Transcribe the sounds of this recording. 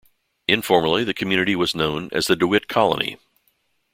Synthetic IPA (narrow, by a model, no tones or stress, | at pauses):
ɨ̃ɱfɔɹmə˞lˠiðɨkʰmjʉnɨɾiwʌznõʊ̃nɨ̰zðɨdʉɪt̚kʰɑlˠə̰nḭ